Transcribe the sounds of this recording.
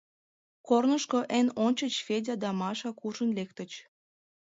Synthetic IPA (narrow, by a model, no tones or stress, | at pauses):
kornə̆ʃkoʔenonʲt͡ɕət͡ɕfedʲɑd̪ɑmɑʃɑkuʒə̆nlek̚t̪ə̆t͡ɕ